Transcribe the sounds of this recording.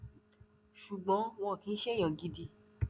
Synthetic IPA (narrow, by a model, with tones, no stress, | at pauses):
ʃu˨ɡ͡bɔ̃˨˦w̃ɔ̃˧˨kĩ˨˦ʃe˦jɔ̃˨ɡi˧di˧